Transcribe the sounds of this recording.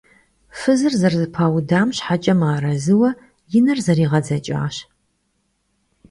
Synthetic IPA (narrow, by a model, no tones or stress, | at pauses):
fɨzɨrzɐrzɨpʰaːwdaːmɕħat͡ʃʼɐmaːɾɐzɨwɐ | jɪnɐrzɐɾiːʁɐd͡zɐt͡ʃʼa̰ːɕ